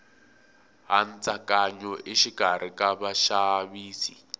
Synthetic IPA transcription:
ɦant͡sakaɲɔʔiʃiɡʱaɾ̤ikaβaʃaβiːsi

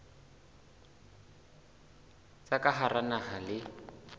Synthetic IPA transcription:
t͡sʼakaɦaranahalɪ

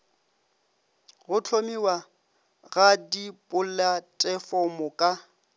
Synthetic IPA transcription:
ɣʊt͡ɬʰomiwa | ɣadipʼʊlatʼɛfɔmʊkʼa

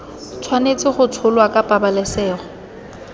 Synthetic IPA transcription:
t͡sʰwanet͡sɪχʊt͡sʰʊlwakʼapʼabalɛsɛːχɔ

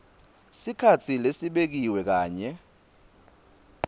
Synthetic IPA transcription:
sikʰat͡sʰilesiɓek̬iwɛk̬aːɲɛ

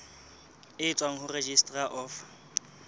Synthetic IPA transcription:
ɪːt͡sʼwaŋ̩hʊred͡ʒistʼraʔɔf

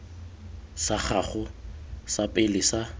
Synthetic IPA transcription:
sak͡xʰaχʊsapʼɪlɪsa

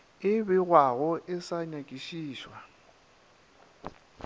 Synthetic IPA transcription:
ɪbɪɣwaɣɔʔɪsaɲakʼiʃiːʃwa

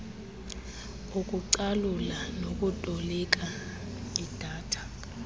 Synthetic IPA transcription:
ukʼuǀalulanokʼutʼɔlɛk̬ʼa | id̥ʱaːtʰḁ

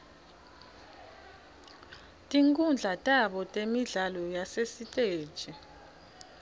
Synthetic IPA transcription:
tʼiŋkʼund͡ɮʱatʼaɓɔtʼemiɮalɔjasesitʼeːd̥t͡ʃʼɛ

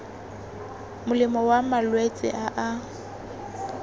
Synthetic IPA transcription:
mʊlɪmɔwamalwet͡sʼɪ̰ʔaʔa

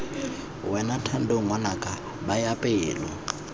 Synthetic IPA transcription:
wɛnatʰan̩doŋanakʼa | bajapʼeːlɔ̰

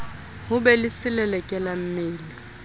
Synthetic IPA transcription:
hʊbɛlɪsɪlɛlɛkʼɛlam̩meːli

